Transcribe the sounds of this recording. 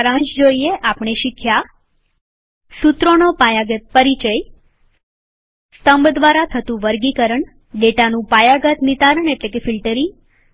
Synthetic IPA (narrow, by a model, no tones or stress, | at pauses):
ɾãɲt͡ʃd͡ʒoieʔapɳ̃eʃikʰja | sut̪ɾonopajaɡət̪̚pəɾit͡ʃəj | st̪əmbd̪ʋaɾat̪ʰət̪ũʋəɾɡikəɾəɳ | ɖeʈanũpajaɡət̪nit̪aɾəɳeʈlekefilʈəɾi